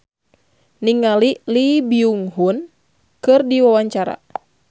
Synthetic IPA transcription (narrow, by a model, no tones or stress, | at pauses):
niŋalilibiuŋɦun | kɨrdiwawaɲt͡ʃaɾa̰